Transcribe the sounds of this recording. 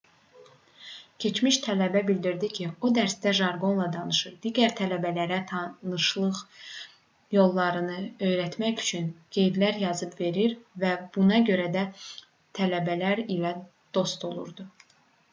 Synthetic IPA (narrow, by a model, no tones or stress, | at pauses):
cʰe̞t͡ʃmiʃt̪ʰælæbæbild̪iɾd̪icʰio̞d̪æɾsd̪æʒɑɾɡo̞nlˠɑd̪ɑnɯʃɯɾd̪iːɟæɾt̪ʰælæbælæɾæt̪ʰɑnɯʃlˠɯʁ | jo̞lˠːɑɾɯnɯø̞jɾæt̪mæçy̥t͡ʃʰynɡ̥e̞jd̪læɾjɑzɯbve̞ɾiɾvæb̥unɑɟø̞ɾæd̪æ | t̪ʰælæbælæɾilæ | d̪̥o̞st̪ʰo̞lˠṵɾd̪u